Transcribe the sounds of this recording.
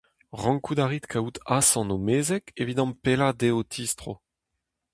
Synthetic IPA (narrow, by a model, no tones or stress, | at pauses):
ʁɑ̃ŋkud̪aʁit̪kʰaut̪asɑ̃nomeːzɛkevid̪ɑ̃mpelad̪eot̪ʰist̪χo̰